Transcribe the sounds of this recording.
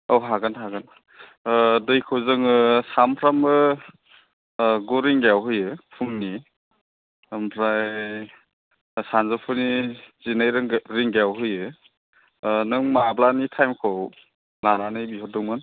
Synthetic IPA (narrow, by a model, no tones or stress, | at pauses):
ɔɦaɡɯnɦaɡɯn | dɯjkʰɯwzɯŋɯsampʰɾamɯ | ɡuɾiŋɡjawɦɯjɯpʰumni | mpʰɾa | sanzɯpʰɯnizinajɾɯŋɾiŋɡeawɦɯjɯ | nɯŋmablanitʰajmkʰɯw | laɾanɯjbihɔdɔŋmɯn